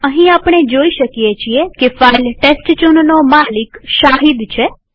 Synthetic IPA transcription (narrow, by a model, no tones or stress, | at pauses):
əɦĩapɳ̃ed͡ʒoiʃəkijet͡ʃʰiekefailʈesʈt͡ʃunnomalikʃaɦid̪t͡ʃʰe